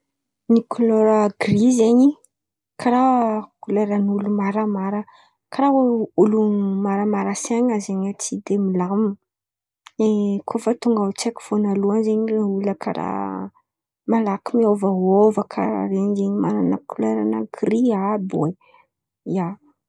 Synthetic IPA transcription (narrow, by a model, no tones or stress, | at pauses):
nikʰoloɾaɡrizeɲi | kaɾakuleɾanulumaɾəmaɾə | kaɾaulumaɾamaɾəsaɲazeɲat͡sid̪emilam | ekʰofət̪uŋɡat͡ʃeku̥v̥onaluanzeɲuləkʰa̰ɾa̰ | malakimiovəɦovəkʰa̰ɾa̰ɾeɲzeɲimaɾanə̰kuleɾanaɡriabwe | ia